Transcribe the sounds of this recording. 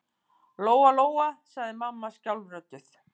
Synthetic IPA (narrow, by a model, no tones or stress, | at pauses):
loːwaloːwasaɣðɪmamːascawlrœt̪ːʏθ